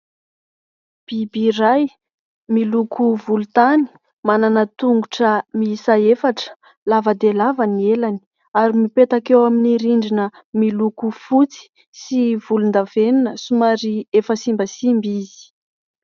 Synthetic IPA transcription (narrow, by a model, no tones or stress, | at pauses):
b̥ibiɾaj | milukʰuvulut̪ani̥ | mananət̪uŋɡuʈ͡ʂəmisaefaʈ͡ʂə̥ | lavad̪elavanielani̥ | aɾimipet̪akewaminiɾiɳɖ͡ʐinə | milukufut͡si̥ | sivulund̪avennəsumaɾiefəsimbəsimbizi̥